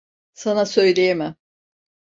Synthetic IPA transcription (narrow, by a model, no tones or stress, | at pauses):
sanasø̞jlʲejemɪ